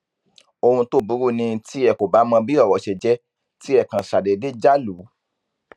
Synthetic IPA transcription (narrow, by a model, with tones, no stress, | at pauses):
o˧hũ˧to˦˨bu˨˦ɾu˦˨nĩ˧ti˦ɛ˧˨ko˨ba˨˦mɔ̃˧bi˦ɔ˦˨wɔ˨ʃɛ˨d͡ʒɛ˦ | ti˦ɛ˦˨kã˨ʃa˨dɛ˨de˦d͡ʒa˦lu˨˦